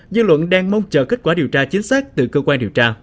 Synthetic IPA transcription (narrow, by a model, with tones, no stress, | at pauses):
zɨ̰˧lwə̰˧˨nɗaː˧ŋmə˧wŋ͡mt͡ɕəː˨˩ki˦˥t̚kwaː˧˩ɗi˨˩wt͡ɕaː˧t͡ɕï˨˦ŋ̟saː˦˥k̚t̪ɨ˨˩kəː˧kwaː˧nɗi˨˩əwt͡ɕaː˧